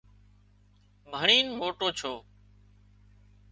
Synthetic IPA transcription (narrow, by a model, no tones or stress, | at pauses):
bʱəɳiːnmoːʈoːt͡ʃʰoː